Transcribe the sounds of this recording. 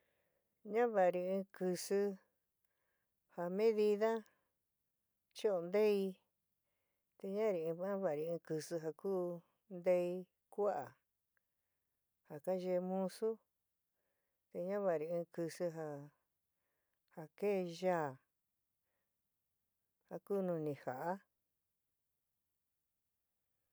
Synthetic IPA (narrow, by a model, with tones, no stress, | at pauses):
ɲã˦βa˨˧ɾi˧ɨ̃ː˧kɨ˧sɨ˧ | ha˨mẽ˦ði˧ða˦ | t͡ʃi˦o˧nd̪e˦i˧ | t̪e˧ɲã˦ɾi˨˧ĩ˧βã˦βa˨ɾi˧ɨ̃˧kɨ˧sɨ˧ɦa˧kuː˦ | nd̪e˧i˧ | kʷu˦a˨ | ha˨ka˦ʒe˧mũ˦su˦ | t̪e˧ɲã˦βa˧˨ɾi˧ɨ̃ː˧kɨ˧sɨ˧ɦa˧ | ha˨ke˦˧ʒaː˦˨ | ha˧kuː˦˧nũ˧nĩ˨ha˨ʔa˦